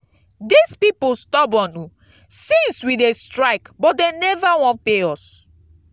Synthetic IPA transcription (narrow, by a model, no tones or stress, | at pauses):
dispipostɔbɔ̃nu | sĩnswidestɹaɪkbɔt̚denɛvawɔ̃npeɔs